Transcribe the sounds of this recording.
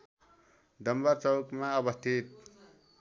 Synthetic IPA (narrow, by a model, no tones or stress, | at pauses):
d̪ʌmbaɾt͡sʌwkmaʌbʌst̪ʰit̪̚